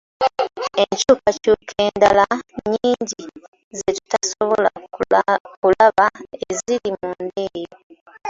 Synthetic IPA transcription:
e̞ɲcuːkacuːkʰeːndalaɲiːɲɟi | zetu̥tasoβola | kulaβaeziɾimuːnde̞ːjo

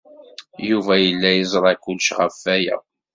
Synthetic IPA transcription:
juvæjəlːæjəzˤɾˤɑkːʊlʃʁəfːæjæ̰

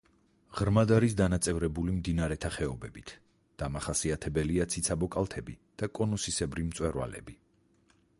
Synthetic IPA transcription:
ʁɾmad̪aɾisd̪anat̪sʼɛvɾɛbulimd̪inaɾɛt̪ʰaχɛɔbɛbit̪ʰ | d̪̥amaχasiat̪ʰɛbɛliat̪sʰit̪sʰabɔkʼalˠt̪ʰɛbid̪̥akʼɔnusisɛbɾimt̪sʼwɛɾwa̰lɛ̰bi

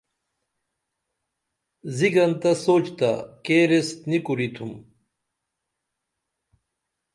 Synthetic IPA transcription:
ziɡɐnt̪ɐsoːt͡ɕt̪a̰keɾest̪nikuɾit̪ʰum

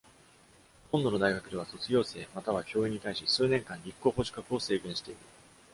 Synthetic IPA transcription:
hõ̞nd̪o̞no̞d̪aiɡakɯ̟e̞β̞aso̞t͡sɨɡʲjo̞ːse̞ːmat̪aβakʲo̞ːiɲ̟ːit̪aiɕisɨːnẽ̞ŋkãɲɾʲikːo̞ːɦo̞ɕi̥kakɯ̟o̞se̞ːɡẽɰ̃ɕi̥t̪e̞iɾɯ̟

